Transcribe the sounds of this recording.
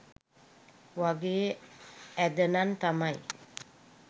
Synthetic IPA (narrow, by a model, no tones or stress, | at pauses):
waɡe | ɛd̪ənant̪amaj